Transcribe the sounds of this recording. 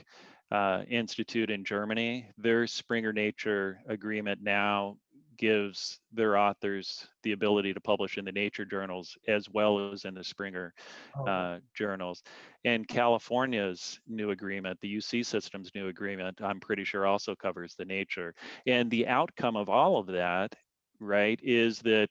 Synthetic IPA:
ɪ̃nstɨtʰʉɾɨ̃nd͡ʒɜ˞mɨñiðə˞spɹɪ̃ŋə˞neɪt͡ʃə˞ɨɡɹĩmɨ̃nːaʊ | ɡ̥ɪvz̥ðə˞ɔθə˞z̥ðiɨbɪlˠəɾiɾɨpʰʌbləʃɨ̃nðɨneɪt͡ʃə˞d͡ʒɜ˞nl̩ˠz̥ɨzwɛlˠəzɨ̃nðɨspɹɪ̃ŋə˞ | d͡ʒɜ˞nl̩ˠz̥ɨ̃nkʰælˠəfɔɹnjɨz̥nʉɨɡɹĩmɨ̃nðɨjʉsisɪstɨ̃m̩znʉɨɡɹĩmɨ̃ntãɪ̃mpʰɹ̥ɪɾiʃʊɹɔlˠsoʊkʰʌvə˞zðɨneɪt͡ʃə˞ɨ̃nðiʔaʊt̚kʰʌ̃mʌvɔlˠʌvðæɾ | ɹaɪɾɪzðɨt̚

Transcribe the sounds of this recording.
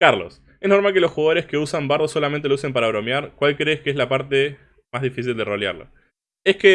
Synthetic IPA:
kaɾlo̞̰s | esno̞ɾmalkelo̞sxuɣað̞o̞ɾe̞skeusambaɾðoso̞lament̪eous̬e̞mpaɾaβɾo̞mjaɾkwalkɾeːskeeslapaɾt̪e̞ | mazðifis̬ild̪e̞ro̞lja̰ɾlo̰ | e̞ske

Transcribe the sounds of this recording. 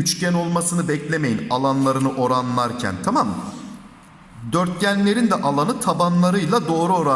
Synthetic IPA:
yt͡ʃcæno̞lˠmasɯnɯbɛclʲe̞me̞jinalˠanlˠaɾɯnɯʔo̞ɾanlˠaɾcʰæ̰nt̪ʰamam | d̪øɾt̪̚cænlʲe̞ɾind̪ɛʔalˠanɯt̪ʰabanlˠaɾɯjlˠad̪o̞ːɾuoɾa

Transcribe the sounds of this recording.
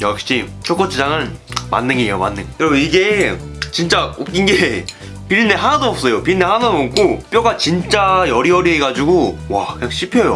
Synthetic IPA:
jʌkɕ͈it͡ɕʰok͈ot͡ɕʰid͡ʑaŋɯnma̰nːɯŋioma̰nːɯŋjʌɾʌbeiɡet͡ɕint͡ɕ͈aok͈inɡe | piɾinːeɦanadoʌp̚s͈ʌjopiɾinːeɦanadoʌp̚k͈ʰop͈joɡat͡ɕint͡ɕ͈ajʌɾiʌɾieɡad͡ʑuɡowakɯɲaŋɕʰipʰjʌjo

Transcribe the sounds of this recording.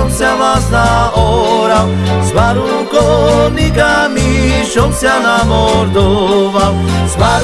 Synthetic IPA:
msjamasnaɔɾaw | zbaɾukɔnikamiʃɔmsjanamɔɾd̪ovawzbaɾ

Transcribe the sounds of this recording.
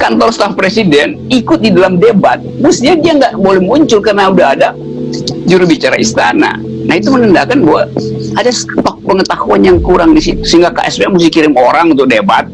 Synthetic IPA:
kant̪ɔrst̪afpɾesidɛn | ikʊt̪̚didalamdebat̪̚must̪iadiaŋɡaʔbolɛhmuɲt͡ʃʊlkarənaudaɦada | d͡ʒuɾubit͡ʃaɾa̰ist̪a̰na̰ | nahit̪umənəndakanbawaadast̪ɔk̚pəŋət̪ahuanjaŋkuɾaŋdisit̪u̥səiŋɡaka̰ʔɛspeamust̪ihkiɾɪmoɾaŋunt̪ʊk̚deba̰t̪̚

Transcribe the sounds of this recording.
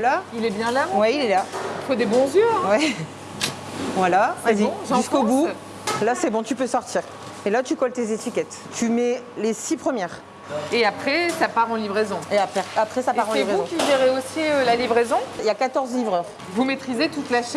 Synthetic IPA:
lailɛbjɛ̃lawɛilɛlafod̪ebɔ̃zjø̃wɛ | vwalaaziʒ̃skobu | lasɛbɔ̃t̪ypøsɔʁt̪iːʁ | elat̪ykɔlt̪ezet̪ikʲɛt̪ | t̪ymɛlesipχəmjɛːʁ | eapχɛsapaʁɑ̃livʁezɔ̃eapχɛapχɛsapaʁɑ̃livʁezuɔ̃kʲiʒeʁeosiølalivʁezɔ̃ilakat̪ɔʁzlivʁœːʁ | vumet̪χizet̪ut̪laʃɛ

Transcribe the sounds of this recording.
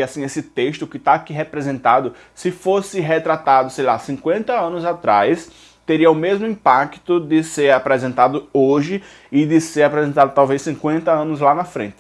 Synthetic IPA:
asĩesɪt̪eʃt̪ʊkɪt̪aːkiɦepɾɛzẽnt̪ad̪ʊ | sɪfosɪɦet̪ɾat̪ad̪ʊsejlasĩkwẽnt̪ɐɐ̃nʊzat̪ɾajs | t̪eɾiɐʊmezmʊĩpakt̪ʊd̪ɪseɾapɾɛzẽnt̪ad̪ʊoʒɪ | ɪd̪ɪseɾapɾɛzẽnt̪ad̪ʊt̪awvejsĩkwẽnt̪ɐɐ̃nʊzlanɐfɾḛ̃nt̪ɪ

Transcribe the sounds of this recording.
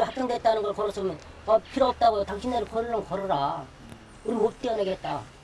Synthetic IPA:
hakt͈ʌŋdet̚t͈anɯnɡʌɭkʌɾʌs͈ʰʌbmjʌnʌpʰiɾoʌp̚t͈aɡojotaŋɕʰineɾɯkʌɾɯɭːʌnkʌɾʌɾa | uɾimop̚t͈euneɡeɦet̚t͈a

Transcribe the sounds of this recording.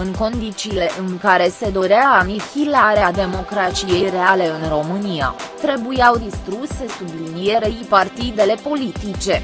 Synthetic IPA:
ɨŋko̞nd̪it͡ʃiːle̞ʔɨŋkaɾe̞se̞d̪o̞ɾeaːmifilaɾead̪e̞mo̞kɾat͡ʃije̞jre̞ale̞ɨnro̞mɨnija̰t̪ɾe̞bujawd̪ist̪ɾuse̞sublinije̞ɾejpart̪id̪e̞le̞po̞lit̪it͡ʃe̞

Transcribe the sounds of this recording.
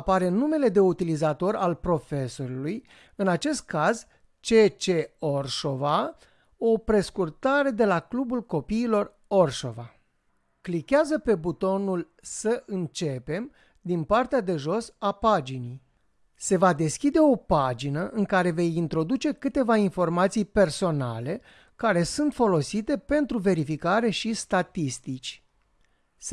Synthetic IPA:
apaɾe̞nume̞le̞d̪e̞ut̪ilizat̪o̞ɾalpɾo̞fe̞so̞ɾuluj | ɨnat͡ʃe̞st̪̚kaz | t͡ʃe̞t͡ʃe̞o̞rʃo̞va | o̞pɾe̞skurt̪aɾe̞d̪e̞laklubulko̞piːlo̞r | o̞rʃo̞̰va | klikʲeazəpe̞but̪o̞nul | səʔɨnt͡ʃe̞pe̞m | d̪inpart̪ead̪e̞ʒo̞sapad͡ʒinij | se̞vad̪e̞skʲid̪e̞o̞pad͡ʒinəʔɨŋkaɾe̞ve̞jint̪ɾo̞d̪ut͡ʃe̞kɨt̪e̞vainfo̞rmat̪sijpe̞rso̞na̰le̞ | kaɾe̞sunt̪fo̞lo̞sit̪e̞pe̞nt̪ɾuve̞ɾifikaɾe̞ʃist̪at̪ist̪it͡ʃʲ

